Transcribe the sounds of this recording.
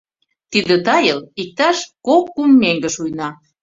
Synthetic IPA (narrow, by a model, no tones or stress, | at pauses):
t̪id̪ə̆t̪ɑjəlik̚t̪ɑʃkokːumːeŋɡə̆ʃujnɑ